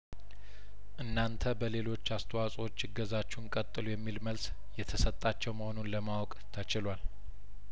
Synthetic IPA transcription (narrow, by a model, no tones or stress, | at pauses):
ʔɨnːant̪ʰəbəle̞lo̞t͡ʃːast̪ʰəwasʼot͡ʃːɪɡəzat͡ʃːunkʼət̪ʼːɨlujɛmːilməls | jɛt̪ʰəsət̪ʼːat͡ʃːɛwməhonunləmawɔkʼt̪ʰət͡ʃɪlwal